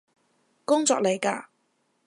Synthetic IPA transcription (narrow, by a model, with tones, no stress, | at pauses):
kʊ˥ŋt͡sɔ̰ː˧k̚le˨˩jkaː˧